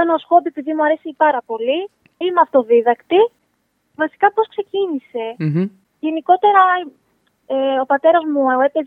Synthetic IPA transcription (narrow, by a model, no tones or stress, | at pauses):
ɐnosxo̞bie̞piðimuɐɾe̞sipɐɾɐpo̞li | imɐft̪o̞ðiðɐkt̪i | vɐsi̥kɐpo̞skse̞cinise̞ | ʝe̞niko̞t̪e̞ɾɐ | eo̞pɐt̪e̞ɾɐzmuoe̞pez